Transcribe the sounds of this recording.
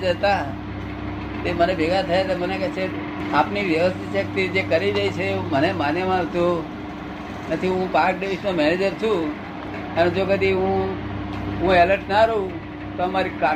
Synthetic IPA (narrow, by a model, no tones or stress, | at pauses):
d͡ʒət̪a | t̪emənebʱeɡat̪ʰəjat̪eməneket͡ʃʰe | apniʋjəʋəst̪ʰiʃək̚t̪id͡ʒekəɾid͡ʒajt͡ʃʰeːumənemanjemãʋt̪o | nət̪ʰiɦũpaɾk̚ɖiʋisnomɛned͡ʒəɾt͡ʃʰũ | əned͡ʒokəd̪iɦũ | ɦũeləɾʈnaɾəɦũ | t̪oəmaɾika